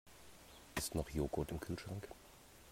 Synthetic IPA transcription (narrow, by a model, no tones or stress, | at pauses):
ʔɪstnɔχjoːɡʊtɪmkʰyːlʃʁ̥aŋk